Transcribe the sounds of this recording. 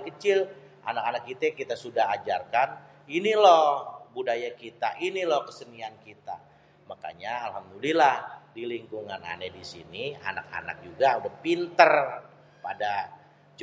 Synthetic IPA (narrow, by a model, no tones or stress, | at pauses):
kət͡ʃɪl | ʔa̰nakanakːit̪aakit̪asudaɦad͡ʒarkan | inilɔhbudajakit̪aʔinilɔhkəsəniankit̪a̰ | maka̰ɲaalhamd̪ulilahdiliŋkuŋana̰nedisinia̰naka̰na̰k̚d͡ʒuɡaudahpint̪ər | pada